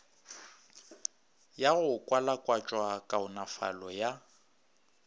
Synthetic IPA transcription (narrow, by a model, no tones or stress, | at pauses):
jaɣʊkʼwalakʼwat͡ʃʼwakʼaʊnafa̰lɔja